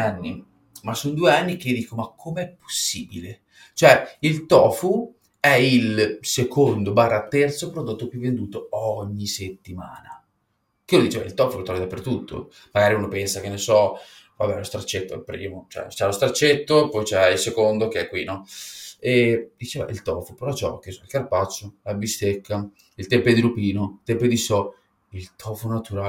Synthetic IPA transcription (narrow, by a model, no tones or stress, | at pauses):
anːi | masːond̪uːeanːik̟ed̪iːkomakʰːomeɛpːo̥sːiːbile | t͡ʃoɛilt̪ɔːfu | ɛilsekond̪obaːrːat̪ɛrt̪sopɾod̪ot̪ːokuɛvend̪uːt̪oɔɲːiset̪ːima̰ːna | kolod̪it͡ʃeva̰ilt̪ɔːfulot̪ɾɔvid̪apːert̪ut̪ʰːo̰ | maɡaːɾiuːnopɛnsakenːesɔ | vabːɛ̰lost̪ɾat͡ʃːet̪ːo̰pɾḭmot͡ʃɛ̰t͡ʃɛlost̪ɾat͡ʃːet̪ːopːɔjt͡ʃɛilsekond̪ok̟eɛkːwinɔ | ed̪it͡ʃɛːva̰ʔilt̪ɔfopeɾɔt͡ʃɔ̰kesɔilkarpat͡ʃːolabist̪ekːa | ilt̪ɛmped̪iɾupiːnoilt̪ɛmped̪isɔ | ilt̪ʰɔfonat̪uɾaː